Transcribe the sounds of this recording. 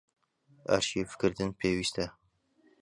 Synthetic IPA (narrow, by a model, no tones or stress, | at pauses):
æ̰ɾʃiːfɪ̥kʲɪɾd̪ɪnpʰeːwist̪ʰa